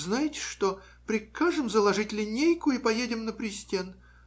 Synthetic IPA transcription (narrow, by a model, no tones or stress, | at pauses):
znajɪtʲɪ̥ʂt̪o | pɾʲɪkaʐɨmzəlˠɐʐɨtʲlʲɪnʲejkʊipɐjedʲɪmnəpɾʲɪsʲtʲen